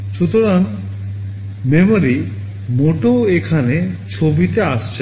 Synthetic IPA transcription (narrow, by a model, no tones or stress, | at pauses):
ʃut̪oɾan | memoɾi | moʈoekʰanet͡ɕʰobit̪eaʃt͡ɕʰe